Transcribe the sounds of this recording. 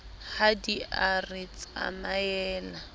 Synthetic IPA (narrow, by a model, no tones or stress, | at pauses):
χadiarɪt͡sʼa̰majɛːla